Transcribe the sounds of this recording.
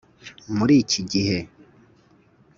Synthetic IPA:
muɾiːcʰiɟihe

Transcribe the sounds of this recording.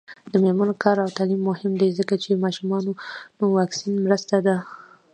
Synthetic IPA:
d̪̥əmelmɑnokʰɑɾawt̪ɑlimːʊhɪmd̪ejzəkat͡ʃemɑʃumɑnonowɑksinmɾəst̪ad̪a

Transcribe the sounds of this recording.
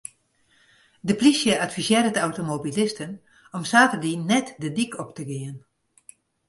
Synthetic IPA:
dəplisjəatfisjɪːɾətawtomobilɪstən | ɔmsaːtərdinːɛtdədikʰɔptəɡɪən

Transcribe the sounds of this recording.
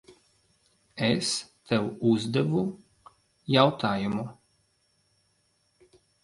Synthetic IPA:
est̪ɛwuzd̪ɛvu | jawt̪ʰaːjumu

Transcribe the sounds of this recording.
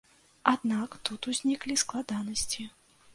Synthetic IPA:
ad̪nakt̪ut̪uzʲnʲiklʲisklˠad̪anɐsʲt͡sʲi

